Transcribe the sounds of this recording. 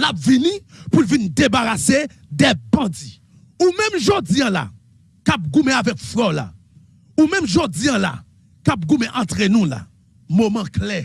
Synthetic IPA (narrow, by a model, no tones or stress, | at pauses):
lap̚vinĩpulvindebaʁase | d̪ɛbʌ̃d͡zi | umɛ̃mʒod͡ziãla̰ | kap̚ɡumɛ̃avɛkflɔla̰ | umɛ̃mʒod͡ziãla̰ | kap̚ɡumɛ̃ʔãt̪ʁenũla̰ | momãklɛ